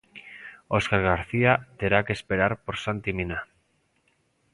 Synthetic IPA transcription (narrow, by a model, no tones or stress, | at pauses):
o̞skaɾɣaɾθiat̪e̞ɾakespe̞ɾaɾpo̞ɾsant̪imina